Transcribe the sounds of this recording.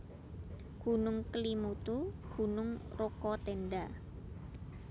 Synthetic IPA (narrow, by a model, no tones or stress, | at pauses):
ɡ̥ṳnʊŋkəlimut̪uɡ̥ṳnʊŋrokɔt̪enɖa